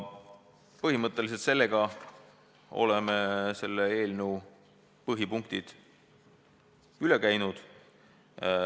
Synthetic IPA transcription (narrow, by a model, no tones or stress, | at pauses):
pɤɦimɤt̪ːˑe̞lis̬elt̪se̞lːe̞ɡ̥ɑ | o̞̰lemese̞lːee̞ːlneu | pɤɦipuŋk̚t̪id̪̥ | yle̞kæjnud̪̥